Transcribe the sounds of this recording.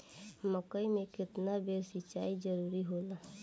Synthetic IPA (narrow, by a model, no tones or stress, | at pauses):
məkəimẽkɪt̪nabeɾsɪt͡ʃaːid͡ʒəɾuːɾiɦola